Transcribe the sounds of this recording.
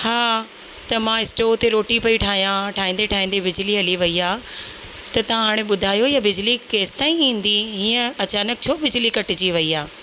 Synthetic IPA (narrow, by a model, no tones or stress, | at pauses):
haː | t̪ɐmãɪsʈoːt̪eɾoːʈipɐiʈʰaːɦijãʈʰaːĩːn̆d̪eʈʰaːɦĩːn̆d̪ebɪd͡ʑliɐliʋɐiaː | t̪ɐt̪ɐ̤ãɦaːɽ̃ẽɓʊd̪ʱaːjojabɪd͡ʑlikeːst̪aːĩĩːn̆d̪iɦiːə̃ɐt͡ɕaːnək̚t͡ɕʰoːbɪd͡ʑlikɐʈɪd͡ʑiʋɐiaː